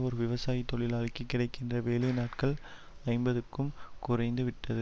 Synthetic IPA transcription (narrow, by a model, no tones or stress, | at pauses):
ɔɾɯʋɪʋɐsaːjit̪ːɔɭɪlɐɭɪkːɯkːɪɽɐɪkːɪndrɐʋeːlɐɪnaːʈkɐɭ | ɐɪmbɐðɯkːɯmkʊrɐɪnd̪ɯʋɪʈːɐðɯ